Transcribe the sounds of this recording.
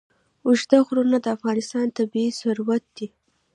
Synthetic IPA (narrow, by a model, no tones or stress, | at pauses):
ʊʒd̪axɾunad̪əafɣɑnɪst̪ɑnt̪abiisʊɾwat̪̚d̪̥i